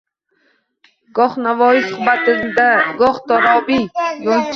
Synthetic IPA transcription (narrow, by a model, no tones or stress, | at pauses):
ɡ̥ɒχnavɒːjisʊhbat̪ɪd̪aɡɒχt̪ɒɾɒbijolˠt͡ʃʰ